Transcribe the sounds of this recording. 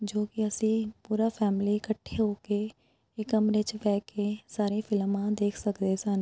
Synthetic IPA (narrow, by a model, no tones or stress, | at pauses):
d͡ʒoːkɪəsĩːpuːɾaːpʰɛːmliːkəʈʰːeːɦoːkeː | ɪkəmɾɪt͡ʃʋɛːkeːsaːɾẽːpʰɪlmãːd̪eːkʰsəkd̪eːsan